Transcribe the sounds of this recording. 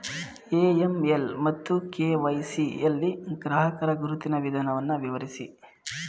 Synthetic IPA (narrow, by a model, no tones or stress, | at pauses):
eːemelmɐt̪ːukeːʋɐjsielːiɡɾaːɦɐkɐɾɐɡuɾut̪inɐʋid̪ʱaːnɐʋɐnːɐʋiʋɐɾisḭ